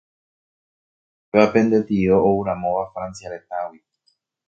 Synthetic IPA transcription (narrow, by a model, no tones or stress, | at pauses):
eape̞nd̪et̪ioouɾamõʋafɾansiaɾet̪awi